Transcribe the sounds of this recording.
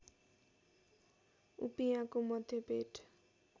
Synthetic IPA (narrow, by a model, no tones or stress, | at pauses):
ṵpijãkomʌd̪ʱjepeʈʰ